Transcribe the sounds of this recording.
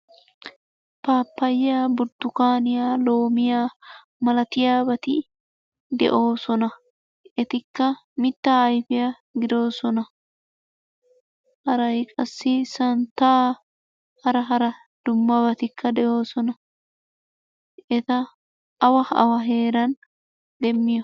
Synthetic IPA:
paːpːɐjːaːbʊɾd̪ʊkaːnɪjaːlo̞ːmɪjaː | mɐlɐt̪ɪjaːbɐt̪ɪ | d̪ɛ̰ʔo̞ːsɔnɐ | ʔɛt̪ɪkːɐmɪt̪ːaːɐjfɪja | ɡɪd̪o̞ːsɔnɐ | hɐɾɐjkʼɐsːɪsɐnt̪aː | hɐɾɐɦɐɾɐ | d̪̥ʊmːɐbɐt̪ɪkːɐd̪ɛʔo̞ːsɔnɐ | ʔɛt̪ɐː | wɐɐ̰wɐɦe̞ːɾɐn | d̪ɛmːɪjɔ

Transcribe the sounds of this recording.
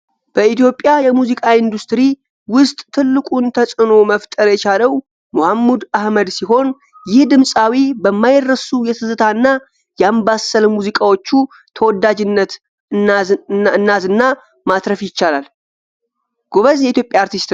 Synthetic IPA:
b̥əit̪jo̞pʼjajɛmuzikʼaind̪ust̪ɾi | wʊst̪ʼt̪ʰɨlːɨkʼunt̪ʰəsʼɨno̞məft̪ʼəɾjɛt͡ʃaləw | mohamːud̪ahməd̪siɦo̞n | jɪhd̪ɨmsʼawibəmːajrːəsujɛt̪ʰɨzɨt̪ʰaɨnːa | jambasəlmuzikʼawo̞t͡ʃːu | t̪ʰəwɔd̪ːad͡ʒɪnːət̪ | ɨnːazɨnːa | mat̪ʼɾəfjɪt͡ʃːalal | ɡ̥o̞βəzjɛit̪jo̞pʼjaːɾt̪ʰist̪

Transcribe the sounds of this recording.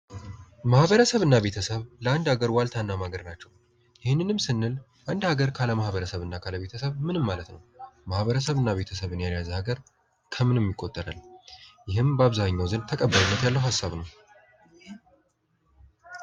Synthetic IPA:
mahβəɾəsəβɨnːaβe̞t̪ʰəsəβləand̪aɡəɾwalt̪ʰanːamaɡəɾnat͡ʃːɛw | jɪhɪnːɨnɨmsɨnːɨl | ʔand̪haɡəɾkʰaləmahβəɾəsəβɨnːakʰaləβe̞t̪ʰəsəβmɨnɨmːalət̪nəwmahβəɾəsəβɨnːaβe̞t̪ʰəsəβɨnjajazəhaɡəɾ | kʰəmɨnɛmːjɪkʼot̪ʼːəɾa̰ljɪhɨmbəaβzaɲːawzɨnt̪ʰəkʼəbːaɾinːət̪jalːəwhasːaβnəw

